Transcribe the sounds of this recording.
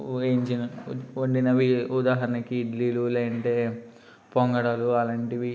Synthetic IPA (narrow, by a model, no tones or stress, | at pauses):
eːɲt͡ʃinɐoɳɖinɐʋiud̪aːɦɐɾɐnɐkiːɖliːluleːɐɳʈeː | poŋɡɐɽɐluɐlɐɳʈiʋi